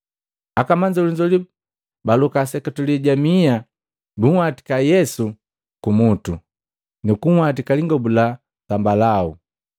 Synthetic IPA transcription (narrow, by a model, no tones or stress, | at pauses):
akamaɲd͡ʒauliɲd͡ʒɔli | balukasɛkatuliɟamia | buwati̥kajɛsu | kumutu | nukuwat̬ikaliŋɡɔbula | sambalau